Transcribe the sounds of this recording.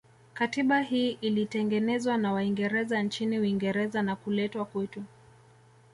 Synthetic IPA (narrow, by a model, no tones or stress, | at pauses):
katiɓaɦiːʔilitɛŋɡɛnɛzwanawaiŋɡɛɾɛzant͡ʃiniuiŋɡɛɾɛzanakulɛtwakwɛtu